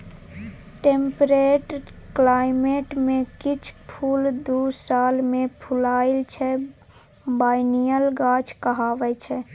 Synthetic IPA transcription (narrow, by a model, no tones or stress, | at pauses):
ʈempɾeːʈɾklaːɪmeːʈmẽkɪt͡ʃʰpʰuːld̪uːsaːlmẽpʰʊlaːɪlt͡ʃʰɛ | baːɪnijəlɡaːt͡ʃkəɦaːʋɛt͡ʃʰɛ